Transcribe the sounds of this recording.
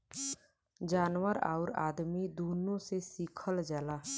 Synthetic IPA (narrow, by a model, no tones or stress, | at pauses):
d͡ʒaːnwəɾa̰ːɾa̰ːd̪mid̪oːnõsesiːkʰəld͡ʒəlaː